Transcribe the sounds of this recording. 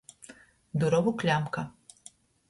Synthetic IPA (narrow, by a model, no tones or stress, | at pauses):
d̪uɾɔʋʊklʲamkɐ